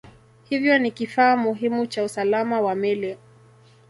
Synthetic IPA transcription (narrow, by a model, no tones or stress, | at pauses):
hivjɔnikifaːmuɦimut͡ʃausalamawamɛlɛ